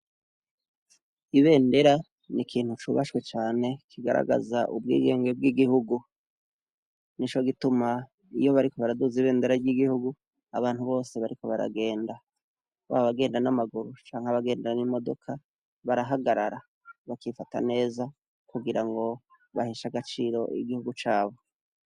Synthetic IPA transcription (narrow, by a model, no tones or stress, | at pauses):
iβe̞ːnde̞ɾa | nikʰiːn̥hut͡ʃuβaʃkwe̞t͡ʃaːne̞kʰiɡaɾa̰ɡa̰zaʔubɡḭːɡe̞ːŋɡeb̚ɡiɡihuɡu | nit͡ʃo̞ɡituma | ijo̞βaɾiko̞βaɾaduziβe̞ːnde̞ɾaɾɟiɡihuɡu | aβaːn̥huβo̞ːse̞βaɾiko̞βaɾa̰ɡe̞ːnda | βa̰βoβaɡe̞ːndanamaɡuɾut͡ʃaːŋhaβaɡe̞ːndaanimo̞do̞kʰa | βaɾaɦaɡaɾaɾa | βakifata̰ne̞ːza | kuɡiɾaŋɡo̞ | βahiʃaɡat͡ʃiːɾo̞ʔḭɡihuɡut͡ʃaːβo̞